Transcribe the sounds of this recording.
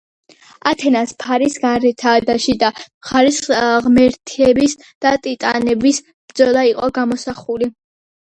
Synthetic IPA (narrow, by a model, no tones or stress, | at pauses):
at̪ʰɛnaspʰaɾisɡaɾɛt̪ʰaːd̪aʃid̪aχaɾisʁmɛɾt̪ʰiɛbis | d̪̥at̪ʼit̪ʼanɛbis | bd̪zɔlˠaiqʼɔɡamɔsaχuli